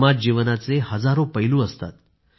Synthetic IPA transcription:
mat̚d͡ʑiʋnat͡sehəd͡zaɾopəɦilũəst̪a̰t̪

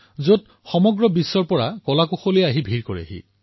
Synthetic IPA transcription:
zot | xɔmɔɡɹɔbisːɔɹpɔɹakɔlakoxoliaɦibʱiɹkoɹḭa̰ɦḭ

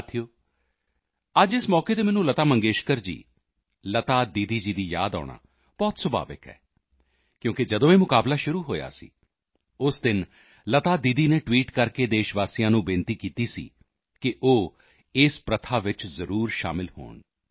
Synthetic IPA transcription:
t̪ʰijoː | əd͡ʒɪsmɔːkeːt̪eːmɛːnũːlət̪aːmə̃ŋɡeːʃkəɾd͡ʒḭː | lət̪aːd̪iːd̪iːd͡ʒiːd̪iːja̰ːd̪ɔ̰ːɳa̰ː | b̥ɔːt̪səba̰ːʋɪ̰kɦɛ̰ː | kjõːkɪd͡ʒəd̪õːeːmʊkaːblaːʃʊɾuːɦoːja̰ːsḭː | ʊsd̪ɪn | lət̪aːd̪iːd̪iːneːʈʋiːʈkəɾkeːd̪eːʃʋaːsijãːnũːbɪnt̪iːkiːt̪iːsḭː | kɪʔoː | ɪspɾət̪ʰaːʋɪt͡ʃzəɾuːɾʃa̰ːmɪlho̰ːɳ

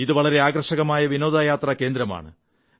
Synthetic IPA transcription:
iðɨʋɐɭɐɾe̞aːɡrɐʂɐɣɐmaːjɐʋino̞ːd̪aːjaːt̪rɐke̞ːnd̪ɾɐma̰ːɳɨ

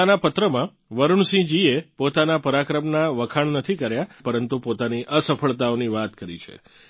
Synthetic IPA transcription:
anapət̪ɾəmã | ʋəɾuɳsĩd͡ʒiepot̪anapəɾakɾəmnaʋəkʰaɳnət̪ʰikəɾjapəɾənt̪upot̪aniʔəsəpʰəɭt̪aoniʋat̪kəɾḭt͡ʃʰḛ

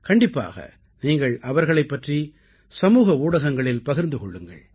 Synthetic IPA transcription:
kɐɳɖɪpːa̰ːɣɐ̰ | niːŋɡɐɭʔɐʋɐɾɣɐɭɐɪpːɐʈri | sɐmuːɣɐuːɽɐɣɐŋɡɐɭɪlpɐɣɪɾnd̪ɯkɔɭːɯŋɡɐ̰ɭ

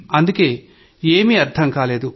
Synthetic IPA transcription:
ɐnd̪uke̞ː | eːmiɐɾt̪ʰɐŋkaːle̞ːd̪u

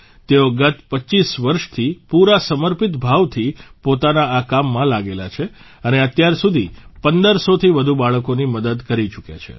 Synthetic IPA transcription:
t̪eoɡət̪pəʃisʋəɾʃt̪ʰipuɾasəməɾpit̪bʱaʋt̪ʰipot̪anaːkamːãlaɡela̰t͡ʃʰe | əneət̪jaɾsud̪ʱipənd̪əɾsot̪ʰiʋəd̪ʱubaɭəkoniməd̪əd̪kəɾit͡ʃukja̰t͡ʃʰḛ

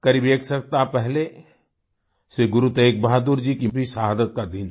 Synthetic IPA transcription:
kɐɾibeːksɐk̚t̪apɛɦle | seɡʊɾut̪eːk̚baɦad̪uɾd͡ʒikibʱisɐɦaːd̪ət̪̚kad̪ɪn

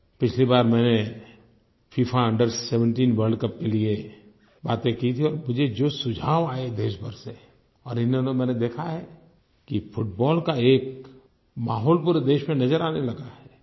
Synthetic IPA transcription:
pɪt͡ʃʰlibaːɾmɛ̃ːne | fʰiːpʰaə̃ɳɖəɾsɛʋə̃ɳʈiːnʋəɾɖkɐp̚kelie | baːt̪ẽkit̪ʰiɔːɾmʊd͡ʒʱed͡ʒoːsʊd͡ʒʱaːʋaːed̪eːʃbəɾse | ɔːɾɪnɦonemɛ̃ːned̪eːkʰaɦɛː | kifʊʈ̚bɔːlkaeːk | maːɦɔːlpuːɾd̪eːʃmẽnɐzəɾaːnelɐɡaɦɛː

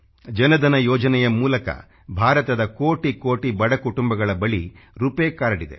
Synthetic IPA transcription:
d͡ʒɐnɐd̪ɐnɐjɔːd͡ʒɐnɛjɐmuːlɐkɐ̰ | bʱaːɾɐt̪ɐd̪ɐkoːʈikoːʈibɐɽɐkuʈumbɐɡɐɭɐbɐɭiɾupeːkaːɾɐɽid̪e̞̰

